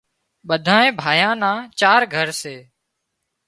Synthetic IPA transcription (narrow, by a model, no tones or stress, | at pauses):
ɓəd̪ʱãːẽːbʱaːjãːnãːt͡ʃaːɾɡʱəɾseː